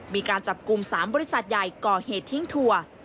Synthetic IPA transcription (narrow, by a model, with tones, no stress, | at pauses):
miː˧kaː˧nt͡ɕa˨˩p̚ku˧msaː˩˦mbɔː˧ɾi˥sa˨˩t̪̚ja˨˩jkɔː˨˩heː˨˩t̪ʰːi˧˥˩ŋt̪ʰu˧ɐ